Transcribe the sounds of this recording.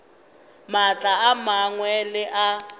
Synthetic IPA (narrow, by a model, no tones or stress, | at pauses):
mat͡ɬʼaamaŋwɛlɪʔa